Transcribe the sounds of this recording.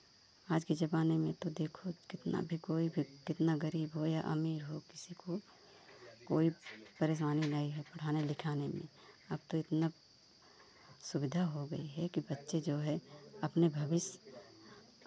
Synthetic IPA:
aːd͡ʒkid͡ʒɐbaːnemẽt̪od̪eːkʰokɪt̪na̰bʱikoːibʱikɪt̪naɡəɾiːbɦojaʔɐ̰miːɾɦokɪ̥siko | koːipɐɾeːʃ̬aːninaiɦɛpɐɽ̤aːnelɪkʰaːnemḛ̃ | ɐb̚t̪oɪt̪na | sʊbɪd̪ʱaɦoɡɐ̰iɦɛkibɐtːʃed͡ʒoːɦɛɐpnebʱɐʋɪʃ

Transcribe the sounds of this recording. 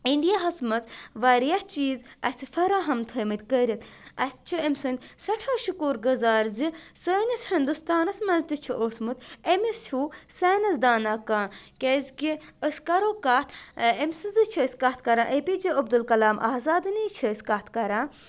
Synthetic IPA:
iɳɖijaɦɐsmɐt͡sʋaːɾijaht͡ʃiːzɐsʲifɐɾaːɦɐmt̪ʰəːmit̪ʲkəɾʲit̪ɐ̰sʲt͡ʃʰiemʲsɨnʲsɐʈʰaʃukuːɾɡɐzaːɾzisəːnʲɐsʲhind̪ust̪aːnɐsmɐzt̪it͡ʃʰiʔosmɨt̪emist͡ʃʰusaːnɐsd̪aːnaːkãːkʲezʲkiəsʲkɐɾoːkaːt̪ʰemʲsɨzɨt͡ʃʰəsʲkat̪̚ʰkɐɾãːʔepid͡ʒiʔɐb̚d̪ulkɐlaːmʔa̰ːzaːd̪ɨniːt͡ʃʰəsʲkat̪ʰkɐɾaː

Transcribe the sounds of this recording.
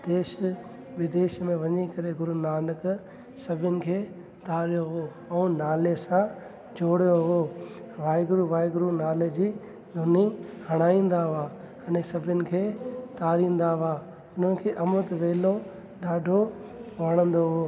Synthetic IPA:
d̪eːʃ | ʋɪd̪eːʃmẽʋɐɲikɐɾeɡʊɾunaːnək | sɐbʱɪʊnɪ̆kʰeː | t̪aːɾjoɦo | ɛnaːlesã | d͡ʑoːɽijoɦoː | ʋaːɪɡɾuʋaːjɡɾunaːled͡ʑiː | d̪ʱʊniɦɐɽ̃aːĩːn̆d̪aʊaː | ɐnẽsɐbʱʊnɪ̆kʰeːt̪aːɾĩːn̆d̪aaː | ʊn̤ənɪ̆kʰeːʔɐmʊt̪ʋeːlo | ɗaːɖʱoʋɐɽ̃ə̃nd̪oɦoː

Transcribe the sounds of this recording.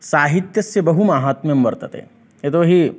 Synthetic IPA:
saːɦit̪jɐsjebɐɦumaːɦat̪memʋɐɾt̪ɐt̪ḛː | et̪oɦi

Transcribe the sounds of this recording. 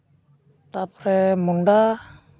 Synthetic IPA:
t̪apɾɛmunɖa

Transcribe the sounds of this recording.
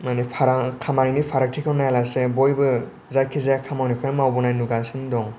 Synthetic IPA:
manipʰaɾakʰamaninipʰaɾak̚tʰikʰɯwnajalasebɔjbɯ | zajkʰizajakʰamawnikʰɯnmawbɔnajnuɡasɯndɔŋ

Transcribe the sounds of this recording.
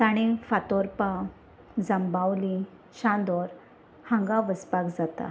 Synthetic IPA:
t̪aɽ̃efat̪ɔɾpa | d͡zəmbawli | ɕãnd̪ɔɾ | hãŋɡaʋəspakd͡zat̪a̰

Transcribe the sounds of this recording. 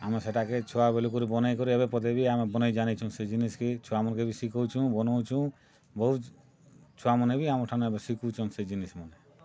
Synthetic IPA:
a̰meseʈaket͡ʃʰɔabeluk̬ɔɾibɔnajkɔɾieβepɔd̪ebiamebɔnajd͡ʒanit͡ʃʰɔ̃sed͡ʒinisket͡ʃʰɔamɔɾkebisikɔwt͡ʃʰũbɔnɔwt͡ʃʰũ | bɔɦu | t͡ʃʰuamɔnebiamɔɾʈʰanoebesikut͡ʃʰɔnsed͡ʒinismɔne

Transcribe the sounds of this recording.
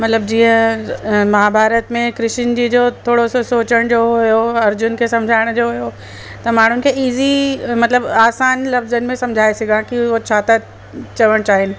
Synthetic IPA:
mɐt̪ləb̚d͡ʑiːə̃ | maːbʱaːɾət̪mẽkɾɪʃɪnd͡ʑid͡ʑoːt̪ʰoːɽososoːt͡ɕəɽ̃d͡ʑoːɦʊjoɐɾd͡ʑʊnkʰesɐ̃md͡ʑʱaːɪɽ̃d͡ʑoːɦʊjo | t̪ɐmaːɳ̤ʊnɪ̆kʰeiːzimɐt̪ləbaːsaːnlɐfzənɪ̆mẽsɐ̃md͡ʑʱaːesɪɡʱãkiot͡ɕʰaːt̪ʰa | t͡ɕɐʋəɽ̃t͡ɕaːɦɪnɪ̆

